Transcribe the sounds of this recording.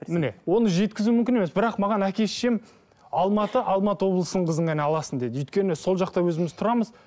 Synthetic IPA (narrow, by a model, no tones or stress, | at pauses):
mɪne̞̰wo̞nəʒe̞t̪kʲɪzumʏmkʲɪne̞me̞sbɪɾɑqmɑʁɑnækʲe̞sʃe̞m | ɑlˠmɑt̪əʔɑlˠmɑt̪əwo̞blˠəsənəɴqʰəzəŋæneɑlˠɑsənd̪e̞d̪ɪyjt̪̚kʲe̞nɪso̞lˠʒɑqt̪ɑwɵzɪmɪz̥t̪ʰʊɾɑməz